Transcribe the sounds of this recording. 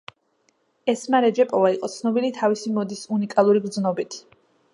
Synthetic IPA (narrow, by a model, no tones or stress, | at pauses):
ɛsmaɾɛd͡ʒɛpʼɔvaiqʼɔt̪sʰnɔbilit̪ʰavisimɔd̪isunikʼalˠuɾiɡɾd̪znɔbit̪ʰi̥